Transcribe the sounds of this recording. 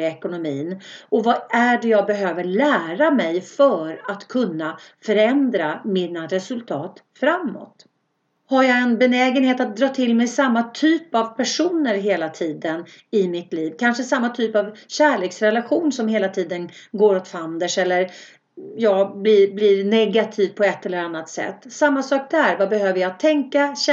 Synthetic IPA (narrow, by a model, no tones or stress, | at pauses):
ɛkʊnʊmiːnʔɔvaæɖɛjɑːɡ̚bɛɦøːvəɾɭæːɾamɛjfœːɾat̪kʰɵnːafœɾɛnd̪ɾamɪnaɾɛsɵlt̪ʰɑːt̪ | fɾamːɔ̰t̪ | haɾjaɛnbɛnɛːɡənheːt̪at̪̚d̪ɾɑːt̪ʰɪlmɛjsamːat̪ʰyːpavpʰæʂuːnəɾɦeːlat̪ʰiːd̪ən | ɪmɪt̪liːvkʰanʂəsamːat̪ʰyːpavɕæːɭeːksɾɛlaɧuːnsɔmɦeːlat̪ʰiːd̪ənɡoːɾɔt̪fand̪əʂɛlːəɾ | jɑːblɪblɪɾnɛɡat̪ʰiːvpʰɔɛt̪ːɛlːəɾanːat̪sɛ̰t̪ːsamːasɑːk̚d̪æɾvabɛɦøːvəjat̪ʰːɛŋkaɕ